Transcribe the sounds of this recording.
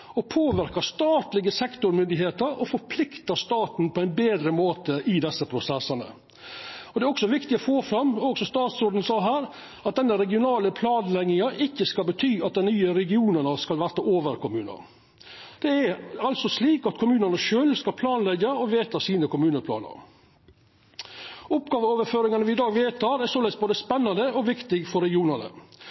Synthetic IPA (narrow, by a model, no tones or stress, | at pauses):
ɔpʰoːʋɪɾkɑst̪ɑːt̪lɪɡəsɛkt̪ʊɾmʏnd̪ɪɦeːt̪əɾɔfɔɾpʰlɪkt̪əst̪ɑːt̪n̩pʰɔæɪnbeːd̪ɾəmoːt̪əʔɪd̪ɛsːəpʰɾʊsɛsːɑnə̰ | ɔd̪ɛæɾɔksɔʋɪkt̪ɪɔfoːfɾɑmːɔɡsɔst̪ɑːt̪soːd̪ən̩sɑːɦæːɾ | ɑt̪̚d̪ɛnːəɾɛɡɪʊnɑːləpʰlɑːnlɛɡɪŋɑʔɪçːəskɑlbət̪ʰyːɑt̪̚d̪ɛnyːəɾɛɡɪuːnənəskɑlʋæɾt̪ɑʔoːʋəɾkʊmʉːnə̰ɾ | d̪̥ɛæɾɑlsɔsliːkɑt̪kʰʊmʉːnənəʃøːlskɑlpʰlɑːnlɛɡəɔʋeːt̪ʰɑsiːnəkʰʊmʉːnəpʰlɑ̰ːnə̰ɾ | ʊpɡɑːʋəoːʋəɾføːɾɪŋɑnəʋɪɪd̪ɑːɡʋeːt̪ʰɑɾæɾsoːlɛɡsboːd̪əspɛnːɑnd̪əɔʋɪkt̪ɪɡfɔɾɛɡɪuːnənə̰